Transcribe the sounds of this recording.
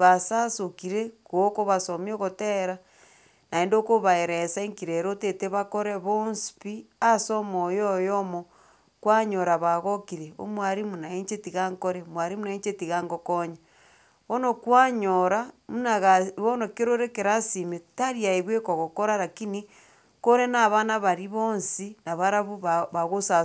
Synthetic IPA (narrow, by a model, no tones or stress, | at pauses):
βasasokiɾekokoβasomjoɣoteɾa | naendokoβaeɾesaeŋkiɾeɾoteteβakoɾeβonsi̥pi | asomojojomo | kwaɲoɾaβaɣokiɾeo̰mwaɾimunaeɲt͡ʃetiɣaŋkoɾemwaɾimunaeɲt͡ʃetiɣaŋɡokoɲa | βonokwaɲoɾamunaɣaβonokeɾoɾekeɾasimetaɾiaeβwekoɣokoɾaɾakini | koɾenaβanaβaɾiβonsinaβaɾaβuββaɣosa